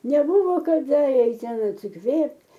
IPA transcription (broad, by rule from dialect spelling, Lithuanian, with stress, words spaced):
nʲɛˈbuːʋoː kɐˈdɐ ˈɛɪt ˈtʲɛn ɐtʲsʲɪˈkʋʲeːpʲtʲ